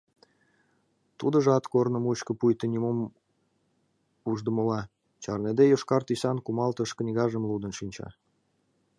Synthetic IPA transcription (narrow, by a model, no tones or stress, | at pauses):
t̪ṵd̪əʒɑt̪kornəmuɕkə̆pujt̪ə̆nʲimom | uʒd̪əməlɑ | t͡ɕɑ̰rned̪ejoʃkɑrt̪ysɑnkumɑlt̪əʃkənʲiɣɑʒəmlud̪ənʃinʲt͡ɕɑ̰